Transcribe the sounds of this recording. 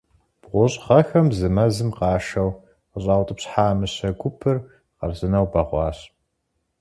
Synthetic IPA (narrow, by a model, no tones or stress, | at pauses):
b̥ʁʷʊɕʼʁɐxɐmzɨmɐzɨmqɑːʃɐw | qəɕʼɑːwtʼɨpɕħaːmɨɕɐɡʷʊpʰɨr | qɐrzɨnɐwbɐʁʷɑːɕ